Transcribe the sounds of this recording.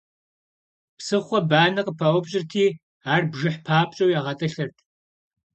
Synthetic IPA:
psɨχʷɔbaːnɐqʼəpʰɐʔʷɔbɕʼɪrtʰiː | aːrbʒɪħpʰaːpʼɕʼɐwjaːʁɐtʼɐɬɐrtʰ

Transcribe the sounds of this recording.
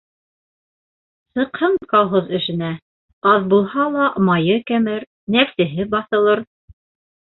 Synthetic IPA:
sɤ̆qhɤɴkɑlˠɦozɘ̆ʃɘ̆næ | ɑðbulˠɦɑlˠɑmɑjɤkæmɘɾ | næfsɘ̆ɦɘbɑθɤ̆lˠɤɾ

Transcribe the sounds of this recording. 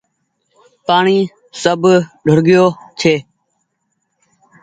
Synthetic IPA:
paːɳiː | səbʱɖʱʊɾɡɪjoːt͡ʃʰeː

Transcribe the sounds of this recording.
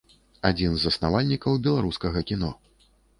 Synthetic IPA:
ad͡zʲinzɐsnavalʲnʲikɐwbʲɛlˠaɾuskɐɣɐkʲinɔ

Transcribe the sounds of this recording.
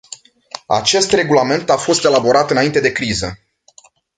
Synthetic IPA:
a̰t͡ʃe̞st̪re̞ɡulame̞nt̪afo̞st̪e̞labo̞ɾat̪ɨnaint̪e̞d̪e̞kɾizə

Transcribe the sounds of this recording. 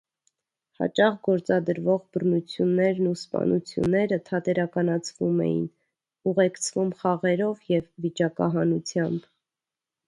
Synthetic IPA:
hɑ̰t͡ʃɑʁɡɔɾt͡sɑd̪əɾvɔʁbərnut͡sʰjunːɛɾnuspɑ̰nʔut͡sʰjṵnːɛɾət̪ʰɑt̪ɛɾɑkɑnɑt͡sʰvumɛ̰jḭn | uʁɛkt͡sʰvumχɑʁɛɾɔvjɛvːit͡ʃɑkɑ̰ɦɑnut͡sʰjɑmb

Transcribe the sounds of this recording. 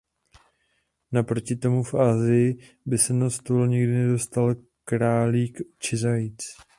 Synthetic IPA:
napɾo̞cɪt̪o̞mufʔaːzɪjɪ | bɪsɛnast̪olɲɪɡdɪnɛdo̞st̪al | kɾaːliːkt͡ʃɪzajt͡s

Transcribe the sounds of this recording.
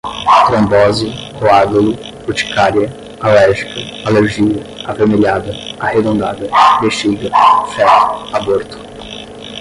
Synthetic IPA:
t̪ɾõmbɔzɪ | oaɡulʊ | bot͡ʃi̥kaɾjɐ | alɛɾʒikɐaleɾʒid̪ɐavemeʎad̪ɐahed̪õnd̪ad̪ɐbeʃt͡ʃiɡ̪ɐfɛt̪ʊ̥aboɾt̪ʊ̥

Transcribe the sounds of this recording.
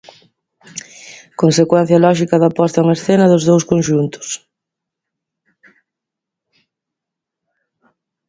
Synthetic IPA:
konsekwɛn̟θjɐlɔʃikɐðapɔst̪ɐuŋaesθenɐðʊzðowskonʃunt̪ʊ̥s

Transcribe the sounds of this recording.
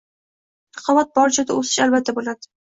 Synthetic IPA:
t̪ʰɑ̥qʰɒvat̪̚bɒɾt͡ʃʰad̪aɵsɪ̥ʃalbat̪ʰːabolad̪ɪ

